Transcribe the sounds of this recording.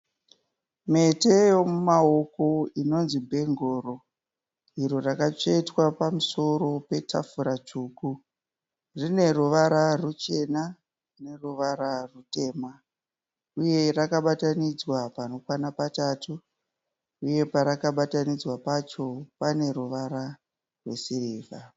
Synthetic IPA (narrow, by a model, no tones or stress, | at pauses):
me̞tejo̞mumao̞ko̞ino̞nzimbʱe̞ŋɡoːro | iɾorakat͡ʂeitwapamuso̞ro̞pe̞tʰa̰fuɾat͡ʂuːku | rine̞ruʋaɾarut͡ʃe̞na | rine̞ruʋaɾarute̞ːma | uje̞rakaɓatanid͡zwapano̞kwanapatatu | uje̞paɾakaɓatanid͡zwapat͡ʃo̞pane̞ɾuʋaɾa | rwesiriːva